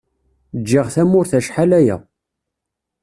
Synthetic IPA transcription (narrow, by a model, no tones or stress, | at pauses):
d͡ʒːiʁθæmʊɾθæʃħalæjæ̰